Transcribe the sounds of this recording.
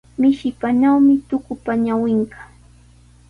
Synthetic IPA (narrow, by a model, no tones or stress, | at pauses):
mɪʃɪpanawmɪt̪ʊkʊpaɲawɪɴɢɑ̥